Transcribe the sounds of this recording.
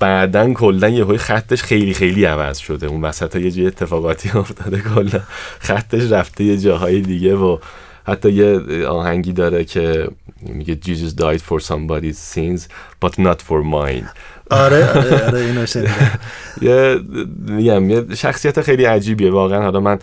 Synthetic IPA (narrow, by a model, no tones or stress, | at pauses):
b̥æːd̪ænkʰo̞lːænjeɦoːjxæt̪ʰːe̞ʃxe̞jlixe̞jliːævæ̰z̥ʃo̞d̪eunvæsæt̪hjed͡ʒujet̪ʰːe̞fɒːɣɒːt̪ʰiːoft̪ʰɒːd̪ekʰolːænxæt̪ʰːe̞ʃræft̪ʰe̞je̞d͡ʒɒːɦɒːjed̪iɟevo | hæt̪ʰːɒːjeɒ̰ːhæŋɟiːd̪ɒːɾecʰe̞miɟed͡ʒiːzizd̪ɒjd̪̥foɾsɒmbɒd̪izsinzb̥ɒt̪nɒt̪foɾmɒ̰jn | ɒɾeɾɾeioʃe | je | miɟæmjeʃæxsijæt̪ʰexe̞jliæd͡ʒiːbievɒːɣeænhɒlɒːmæn